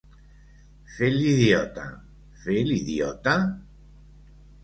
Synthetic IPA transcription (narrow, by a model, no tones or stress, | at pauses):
feliðjot̪a̰ | feliðjɔ̰t̪a